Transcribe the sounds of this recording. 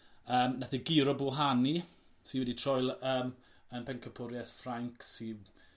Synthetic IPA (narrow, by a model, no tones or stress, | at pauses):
əːmnaθəɡɪɾɔbulɦani | sinwɛditʰrɔjlˠəːm | ənpʰɛŋkʰəpʰʊɾjɛθfraŋksi